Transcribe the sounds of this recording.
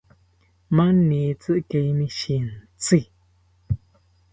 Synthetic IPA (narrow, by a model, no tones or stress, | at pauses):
maniːt͡sɨʔkejniʃin̩t͡si